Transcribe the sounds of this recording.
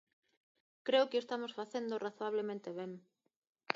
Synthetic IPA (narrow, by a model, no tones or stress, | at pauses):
kɾeʊkɪest̪amosfaθend̪oraθoaβ̞lemẽnt̪eβ̞eŋ